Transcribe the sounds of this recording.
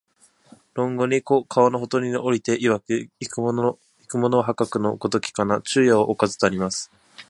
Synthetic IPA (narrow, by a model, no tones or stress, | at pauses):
ɾõ̞ŋɡoɲ̟ikokʰaano̞ɦot̪o̞ɾʲinoʔoɾʲit̪e̞ʔiβaki | ikɯ̟mo̞no̞ɦakakɯ̟no̞ɡo̞t̪o̞kʲi̥kanat͡ɕɨːjaoʔokazɨ̥t̪aɾʲimasɨ̥